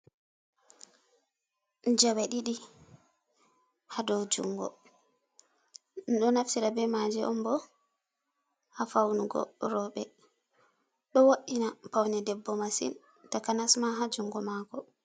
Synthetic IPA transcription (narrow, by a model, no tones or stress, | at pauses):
nd͡ʒawaɗiɗi | hadɔd͡ʒṵŋɡɔ̰ | nɗɔnaftiɾabɛmad͡ʒɛʔɔ̰mbɔ | afawnuɡɔ̰ɾɔɓɛ | ɗɔwoɗinapawnɛdɛbːɔmasḭn | takanasmaɦad͡ʒuŋɡɔmakɔ